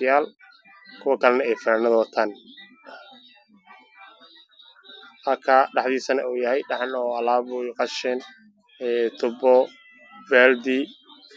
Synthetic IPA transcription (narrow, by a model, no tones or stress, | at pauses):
jaːl | kʰʊwɐkʰɐlɛnɐɛjfɪnaːnɐðɐwt̪ʰaːn | ʔɐkʰaːɖɑħðiːsɐnɐuːjɐhɛjɖɑħɑnɔɐlaːbʊjqɑʃɛn | ɛt̪ʰʊbɔ | vɛːld̪i